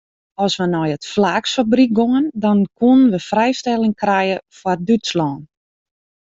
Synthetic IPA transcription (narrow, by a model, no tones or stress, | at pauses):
ɔsʋənɔjətflaːksfabrik̚ɡoŋəndɔnkunənʋəfrɛjstɛlˠɪŋkrɛjəfwɔrdytslɔːn